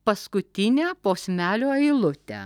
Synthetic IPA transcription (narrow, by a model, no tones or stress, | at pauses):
pɐskʊt̪ʲɪnʲæːpoːsʲmʲæːlʲoːɐɪlˠʊt̪ʲɛ̰